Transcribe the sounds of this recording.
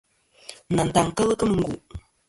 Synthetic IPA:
na˨n˨t̪a˨ŋkə˦lə˦kə˦mə˨ŋɡu˨

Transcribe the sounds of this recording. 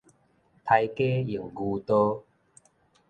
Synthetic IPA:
t̪ʰa˧jke˦ji˨˩ŋɡu˧t̪o˦

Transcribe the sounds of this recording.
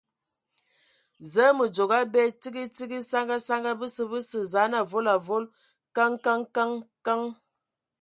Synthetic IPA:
zə˦mə˨d͡ʒo˨ɡa˦bɛ˦ti˦ɡi˦ti˦ɡi˦sa˦ŋɡa˦sa˦ŋɡa˦bə˦sə˦bə˦sə˨za˨˦na˨vo˦la˨vo˦l | ka˦ŋka˦ŋka˦ŋka˦ŋ

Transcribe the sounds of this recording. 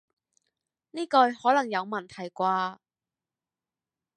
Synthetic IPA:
niː˥kɔ˧jhɔː˨˥lɐ˨˩ŋjɐ˨˧wmɐ˨˩nt̪ʰɐ˨˩jkʷaː˧

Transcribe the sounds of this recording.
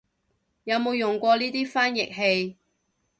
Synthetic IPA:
jɐ˨˧wmo˨˧wjʊ˨˩ŋkʷɔː˧liː˥t̪iː˥faː˥njɪ̰˨k̚ɦe˧j

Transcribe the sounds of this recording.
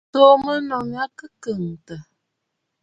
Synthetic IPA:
to˦mə˦nɔ˨ŋ˦a˦kə˦kə˨ŋ˨tə˨

